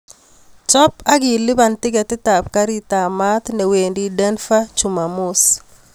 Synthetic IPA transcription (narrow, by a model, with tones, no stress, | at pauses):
t͡ʃɔ˦pa˦ɡɪ˨lɪ˦ba˨ntɪ˦ɡɛ˨tɪ˦ta˨p̚ka˦ɾi˦ta˨ma˦t̪nɛ˨we˨ndidɛ˦nfa˦t͡ʃu˨ma˨mʊ˦s